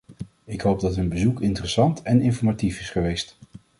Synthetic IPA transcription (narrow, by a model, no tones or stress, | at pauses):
ɪkɦowb̚dɑtɦɵnbəzukɪntərəsɑntɛnɪnfɔɹmatifɪsχəʋejst